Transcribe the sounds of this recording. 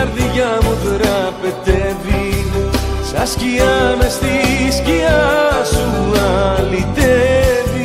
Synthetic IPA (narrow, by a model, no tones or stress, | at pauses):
ɾðiʝɐmuðɾɐpet̪evi | sɐsciɐmest̪isciɐsuɐlit̪evi